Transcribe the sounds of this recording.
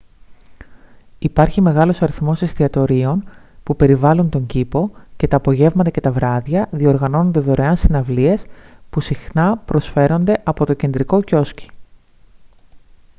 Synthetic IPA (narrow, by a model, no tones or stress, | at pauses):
ipɐɾçime̞ɣɐlo̞sɐɾiθmo̞sest̪iɐt̪o̞ɾio̞npupe̞ɾivɐlunt̪o̞ɲɟipo̞ce̞t̪ɐːpo̞ʝe̞vmɐt̪ɐce̞t̪ɐvɾɐðjɐðio̞ɾɣɐno̞no̞nd̪eðo̞ɾe̞ɐnsinɐvlie̞spusixnɐpɾo̞sfe̞ɾo̞nd̪e̞ʔɐpo̞t̪o̞ce̞nd̪ɾiko̞co̞sci̥